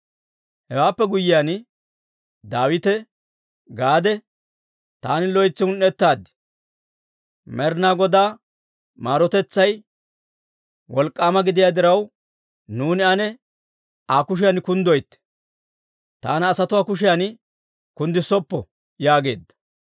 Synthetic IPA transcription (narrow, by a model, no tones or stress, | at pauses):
hɛwaːpːɛɡʊjːɪjan | d̪aːwɪt̪ɛ | ɡaːd̪ɛ | t̪aːnɪlɔjt͡sːɪʊnːɛt̪ːaːd̪ɪ̥ | mɛɾnaːɡɔd̪aː | maːɾɔt̪ɛt͡sːɐj | wɔlkʼːaːmɐɡɪd̪ɪjaːd̪ɪɾɐw | nuːnɪɐnɛ | aːkʊʃ̬ɪjankʊnd̪ɔjt̪ːɛ̥ | t̪a̰ːnɐːsɐt̪ʊwaːkʊʃɪjan | kʊnd̪ɪsːɔpːɔ | jaːɡe̞̰ːd̪ːɐ̥